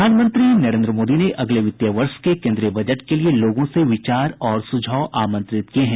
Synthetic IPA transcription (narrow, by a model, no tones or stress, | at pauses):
aːnmə̃nt̪ɾinɐɾẽːnd̪ɾəmoːd̪ineʔɐɡleʋɪt̪jaʋəɾʃkekẽːnd̪ɾijəbɐd͡ʒəʈkelieloːɡõseʋɪt͡ʃaːɾɔːɾsʊd͡ʒʱaːʊʔaːmə̃nt̪ɾɪt̪kieɦɛ̃ː